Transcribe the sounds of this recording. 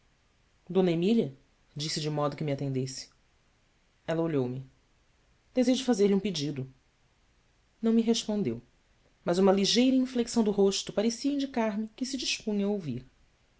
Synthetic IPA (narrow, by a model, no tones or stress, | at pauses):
d̪õnɐemiliɐ | d͡ʒisɪd͡ʒɪmɔd̪ʊkɪmiat̪ẽnd̪esɪ̥ | ɛlɐoʎowmɪ | d̪̥ezeʒʊd͡ʒɪfazeɾliũped͡ʒid̪ʊ | nɐ̃w̃miɦeʃpõnd̪ḛw | mɐzũmɐliʒejɾɐĩfleksɐ̃w̃d̪ʊɦoʃt̪ʊpaɾesiɐĩnd͡ʒikaɾmɪkɪsɪd͡ʒiʃpũɲɐowvḭɾ